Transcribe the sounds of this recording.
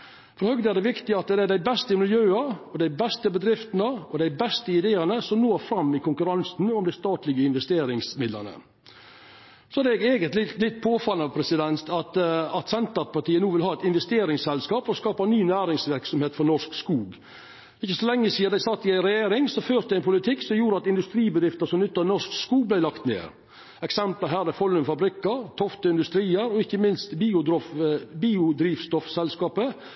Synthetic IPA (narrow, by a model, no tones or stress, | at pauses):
fɔɾhœɡd̪əæɾɖ̪ɛʋɪkt̪ɪɑt̪̚d̪ɛd̪æɖæɪbɛst̪əɪmɪljøːɑɔd̪æɪbɛst̪əbəd̪ɾɪft̪nəɔd̪æɪbɛst̪əɪd̪eːəɾnəsɔmnoːɾfɾɑmːɪkʊŋkʉɾɑnsn̩ɔmd̪ɪst̪ɑːt̪lɪɡəɪnʋɛst̪eːɾɪŋsmɪd̪lə̰nə̰ | sɔædɛɡeːɡənt̪lɪlɪt̪̚ːpʰoːfɑlːəɑʋpʰɾɛsɪd̪ɛnt̪ʰɑt̪ɑt̪sɛnt̪əɾpɑʈ̪iːənuːʋɪlɦɑːɛt̪ɪnʋɛst̪eːɾɪŋsɛlskɑːpfɔɾɔskɑːpɑnyːnæːɾɪŋsʋɪɾksɔmheːt̪fɔnɔʂkskuːɡ | ɪçːəsɔlɛŋːəsiːəd̪æɪsɑt̪ːɪæɪnɾɛjeːɾɪŋsɔføːɾd̪ɛɪnpʰʊlɪt̪ʰɪkːsɔmjuːɾəɑt̪ɪnd̪ʉst̪ɾiːbəd̪ɾɪft̪əɾsɔmnʏt̪ːənɔʂkskuːɡ̚blæɪlɑkt̪nḛːɾ | ɛksɛmpləɦæːɾd̪æfɔlːʉnfɑbɾɪkːəɾt̪ʰɔft̪əɪnd̪ʉst̪ɾiːəɾɔɪçːəmɪnst̪biːʊd̪ɾɔfbiːʊd̪ɾiːfst̪ɔfsɛlskɑːpə